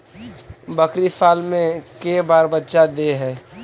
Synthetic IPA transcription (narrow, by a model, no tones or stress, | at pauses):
bəkɾisaːlmẽkebaːɾbətːʃad̪eɦɛː